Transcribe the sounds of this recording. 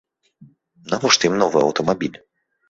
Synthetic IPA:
navɔʂt̪imnɔvɨɐ̰wt̪ɔmabʲilʲ

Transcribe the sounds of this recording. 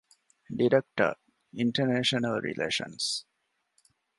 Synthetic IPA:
ɖiɾek̚ʈə̰ | iɳʈəneʃənəlɾḭlʔḛːʃə̰̃ns

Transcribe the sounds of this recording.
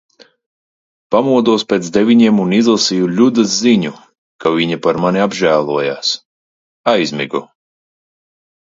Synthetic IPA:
pamuɔd̪uspʲeːt̪sd̪evʲiɲiɛmunizlˠasijuʎʲud̪azziɲu | kavʲiɲapaɾmaniabʒæːlˠuɔja̰ːs | ajzʲmiɡu

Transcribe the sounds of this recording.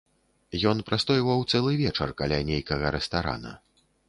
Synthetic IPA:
jɔnpɾast̪ɔjivɐwt̪sɛlˠɨvʲɛt͡ʂɐ̰rkalʲanʲejkɐɣɐɾɛst̪aɾa̰nɐ̰

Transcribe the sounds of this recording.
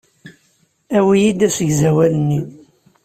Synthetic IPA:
æwijid̪æsəʝzæwælənːi

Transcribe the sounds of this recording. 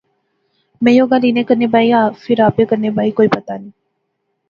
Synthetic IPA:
mɛ̃ːjoːɡaːliːnẽːkəɾneːbaːiaːfʰɪɾaːpeːkəɾneːbʱaːiːkoːiːpət̪aːnĩː

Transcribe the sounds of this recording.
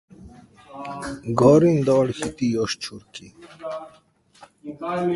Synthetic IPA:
ɡɔːɾind̪ɔːɽxit̪ijoɕt͡ɕʰuɾki

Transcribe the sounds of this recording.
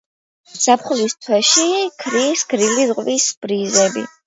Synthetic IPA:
sapʰχlist̪ʰwɛʃikʰɾisɡɾilizqʼvisb̥ɾizɛbḭ

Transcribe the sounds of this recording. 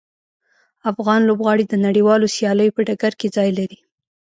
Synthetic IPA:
afɣɑnlobɣɑɽid̪ənaɽiwɑlosjɑləjopəɖaɡaɾked͡zɑjlaɾi

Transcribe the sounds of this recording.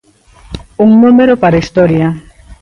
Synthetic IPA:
uŋnũmeɾopaɾaist̪ɔɾja

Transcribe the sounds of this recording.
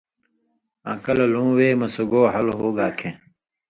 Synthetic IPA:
ã̰ːkɐlɐlũːweːmɐsuɡoːɦɐlɦoːɡaːkʰẽː

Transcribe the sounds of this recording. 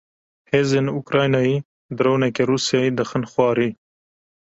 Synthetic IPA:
hezɪnukɾɑjnɑi | d̪ɾownekeɾusjɑid̪əxənxwɑːɾi

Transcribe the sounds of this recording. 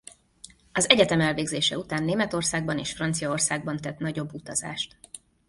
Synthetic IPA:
ɒzɛɟɛt̪ɛmɛlveːɡzeːʃɛut̪aːnːeːmɛt̪o̞rsaːɡ̚bɒneːʃfrɒnt̪sijɒorsaːɡ̚bɒnt̪ɛt̪nɒɟo̞bːut̪ɒza̰ːʃt̪

